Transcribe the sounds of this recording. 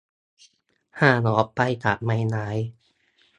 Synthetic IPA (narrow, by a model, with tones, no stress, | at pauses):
haː˧˩nɔː˨˦p̚pːa˧jkaː˨˩t̪̚ma˧jnaː˩˦j